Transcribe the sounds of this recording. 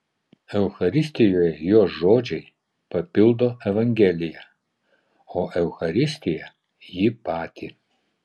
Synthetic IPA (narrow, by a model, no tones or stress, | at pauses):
ɛwxɐɾʲisʲt̪ʲijɔjɛjoːʒoːd͡ʒʲɛj | pɐpʲild̪ɔɛʋɐŋɡʲeːlʲija | ɔʔɛwxɐɾʲist̪ʲɪja | jipaːt̪ʲʰi